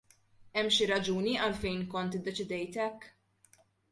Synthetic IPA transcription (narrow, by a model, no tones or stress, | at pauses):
ɛmːʃiɾɐd͡ʒuːniʔɐlfɛjnkɔnt̪ɪd̪ːɛt͡ʃɪd̪ɛjt̪ɛkː